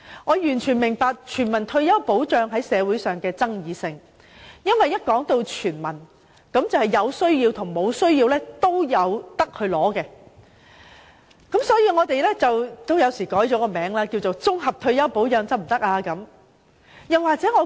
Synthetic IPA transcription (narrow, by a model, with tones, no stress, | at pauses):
ŋɔː˨˧jyː˨˩nt͡ʃʰyː˨˩nmɪ˨˩ŋpaː˧k̚t͡ʃʰyː˨˩nmɐ˨˩nt̪ʰɵ˧ɥjɐ˥wpo˨˥wt͡ʃœː˧ŋɦɐ˨˥jsɛː˨˧wuː˨˥jsœː˨˩ŋkɛː˧t͡sɐ˥ŋjiː˨˧sɪ˧ŋ | jɐ˥nwɐ˨jːɐ˥t̚kɔː˨˥ŋt̪o˧wt͡ʃʰyː˨˩nmɐ˨˩n | kɐ˨˥mt͡sɐ˨˩whɐ˨jɐ˨˧wsɵ˥ɥjiː˧wt̪ʰʊ˨˩ŋmo˨˧wsɵ˥ɥjiː˧wlɛː˥t̪o˥wjɐ˨˧wt̪ɐ˥k̚hɵ˨˧lɔː˨˥kɛ˧ | kɐ˨˥msɔː˨˥jiː˧ŋɔː˨˧t̪e˨jlɛː˥t͡sɐ˨wt̪o˥wjɐ˨˧wsiː˨˩kɔː˨˥jt͡ʃɔː˨˥kɔː˧mɛː˨˥ŋlaː˥kiː˧wt͡so˨˩wt͡sʊ˥ŋɦɐ˨p̚t̪ʰɵ˧ɥjɐ˥wpo˨˥wt͡ʃœː˧ŋt͡sɐ˥p̚m̩˨˩t̪ɐ˥k̚ʔaː˧kɐ˨˥m | jɐ˨waː˨k̚t͡sɛː˨˥ŋɔː˨˧